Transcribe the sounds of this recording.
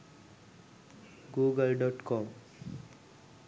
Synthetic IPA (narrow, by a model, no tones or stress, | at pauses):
ɡuːɡəlɖɔːʈkɔm